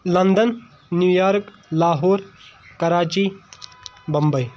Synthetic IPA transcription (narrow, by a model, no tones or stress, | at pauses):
lɐnd̪ənː | juːjaːɾk | laːɦoːɾkɐɾaːt͡ʃi | bɐmbəj